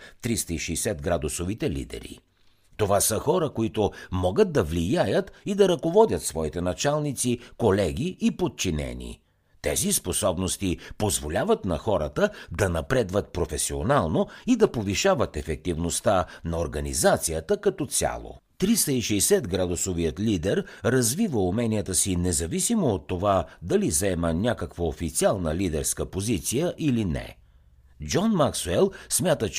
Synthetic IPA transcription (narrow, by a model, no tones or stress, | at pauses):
t̪ɾist̪əiʃɛjsɛd̪ɡɾad̪ʊsovit̪ɛlḭd̪ɛ̰ɾḭ | t̪ovasəxɔɾəkoit̪omɔɡət̪̚d̪ɐvlijajət̪id̪ɐɾɐkovɔd̪ʲət̪svɔit̪ɛnɐt͡ʃalˠnit̪sikolɛɡ̟iipot̪̚t͡ʃinɛ̰nḭ | t̪ɛ̰zisposɔbnost̪ipozvolʲavət̪nɐ̰xɔɾət̪əd̪ɐnɐpɾɛd̪vət̪̚pɾofɛsio̰nalˠnoid̪ɐpoviʃavət̪ɛfɛk̚t̪ivnost̪anɐoɾɡɐnḭzat̪sijət̪əkɐt̪ɔt̪sʲa̰lˠo̰ | t̪ɾist̪əiʃɛɛsɛt̪ɡɾad̪osovijət̪lid̪ɛɾɾɐzvivəumɛnijət̪əsinɛzɐvisimoːt̪ːovad̪ɐlizɛmənʲakəkvəofit̪sialˠnəlid̪ɛɾskəpozit̪sijəʔilinɛ̰ | d͡ʒɔnmaksuɛlˠsmʲat̪ət͡ʃ